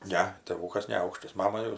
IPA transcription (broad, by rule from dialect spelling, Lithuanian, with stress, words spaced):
ˈnʲɛ tʲeːˈʋuːkɐs nʲɛˈɐʊkʃtɐs ˈmɑːmɐ jɛʊ